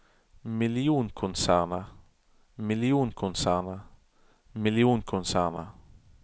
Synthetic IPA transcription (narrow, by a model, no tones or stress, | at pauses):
miljuːnkʰʊnsaːna | miljuːnkʰʊnsaːna | miljunkʰʊnsaːna